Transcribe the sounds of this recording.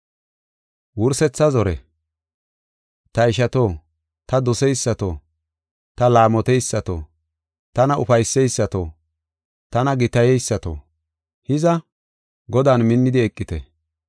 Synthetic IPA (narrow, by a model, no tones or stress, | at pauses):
wʊɾsɛt͡sːɐzɔɾɛ̰ | t̪ɐɪʃɐt̪oː | t̪ɐd̪ɔsɛjsːɐt̪oː | t̪ɐlaːmɔt̪ɛjsːɐt̪o̰ː | t̪ɐnɐʊfɐjsːɛjsːɐt̪oː | t̪ɐnɐɡɪt̪ɐjɛjsːɐt̪o̰ː | hɪzɐ | ɡɔd̪aːnmɪnːɪd̪ɪɛkʼːɪt̪ɛ̰